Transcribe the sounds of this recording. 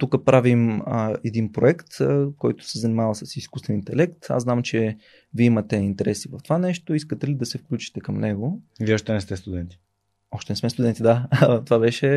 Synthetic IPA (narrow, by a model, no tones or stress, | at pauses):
t̪ukəpɾavimɛd̪inpɾoɛkt̪kɔjt̪ʊ̥sɛzɐnimavəsəsiskust̪vɛnint̪ɛlɛkt̪a̰znamt͡ʃɛ | viimɐt̪ɛint̪ɛɾɛsivəft̪ovanɛʃt̪oiskət̪ɛlid̪ɐsɛfklʲut͡ʃi̥t̪ɛkəmnɛɡoviɔʃt̪ɛnɛst̪ɛst̪ud̪ɛnt̪i̥ | ɔʃt̪ɛnɛsmɛst̪ud̪ɛnt̪id̪at̪ovabɛʃɛ